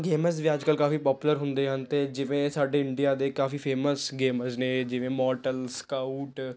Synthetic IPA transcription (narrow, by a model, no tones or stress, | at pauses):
ɡeːməɾzʋiaːd͡ʒkəlkaːfiːpɔːpuləɾɦʊnd̪eːɦənt̪eːd͡ʒɪʋẽːsaːɖeːɪɳɖijaːd̪eːkaːfiːpʰeːməsɡeːməɾznẽːd͡ʒɪʋẽːmɔːʈəlskauʈ